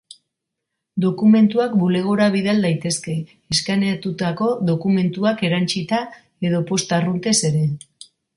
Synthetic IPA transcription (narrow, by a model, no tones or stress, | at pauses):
d̪o̞kume̞nt̪uakbule̞ɣ̞o̞ɾaβ̞iðald̪ajt̪e̞ske̞ː | skanat̪ut̪ako̞ðo̞kume̞nt̪uake̞ɾant͡ʃit̪a | e̞ð̞o̞po̞st̪arunt̪e̞se̞ɾe̞